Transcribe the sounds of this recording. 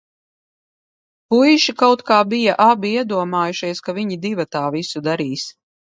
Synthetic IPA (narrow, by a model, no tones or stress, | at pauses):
pujʃikawt̪kaːbijaʔabiiɛd̪uɔmaːjuʃiɛskaviɲid̪ivat̪aːvisud̪aɾiːs